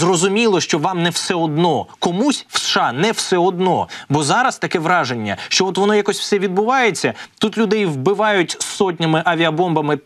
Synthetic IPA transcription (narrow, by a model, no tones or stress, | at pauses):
zrɔzʊmʲilˠɔʃt͡ʃɔʋɑmnɛwsɛɔd̪nɔkɔmusʲwsʃɑnɛwsɛɔd̪nɔ̰bɔzɑɾɐst̪ɐkɛʋɾɑʒe̞nʲːɐ̰ʃt͡ʃɔɔt̪ʋɔnɔjakɔsʲw̥sɛʋʲid̪bʊʋɑjet͡sʲːɐt̪ut̪lʲʊd̪ɛjʋbɪʋɑjʊtʲsɔt̬ʲnʲɪmɪʔɐʋʲɪɐbɔmbɐmɪ